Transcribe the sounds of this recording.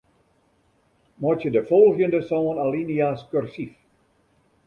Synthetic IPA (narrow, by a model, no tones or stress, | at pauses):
mɔtjədəfɔlˠɣjəndəsoːnalinijaskørsif